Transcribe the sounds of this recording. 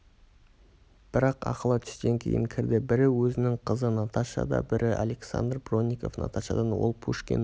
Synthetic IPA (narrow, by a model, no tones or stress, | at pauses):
b̥ɪɾɑqɑ̰qəlˠɑt̪ʰʏ̥st̪e̞ŋkʲʰe̞̰jɪ̰ŋkʲʰɪɾd̪ɪbɪɾɪwɵzɪnɪŋqʰəzənɑt̪ɑʃɑ̰d̪ɑ̰bɪɾʔɪʔale̞ksa̰nd̪rbro̞nʲːiko̞fnɑ̰t̪ɑʃɑd̪ɑnwo̞̰lˠpʰuʃkʲḛn